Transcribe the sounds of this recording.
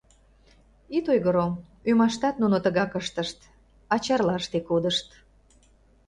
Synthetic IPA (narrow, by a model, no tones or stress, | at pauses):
it̪ojɣəɾom | ymɑʃt̪ɑt̪nunot̪əɣɑkəʃt̪əʃt̪ | ɑt͡ɕɑrlɑəʃt̪ekod̪əʃt̪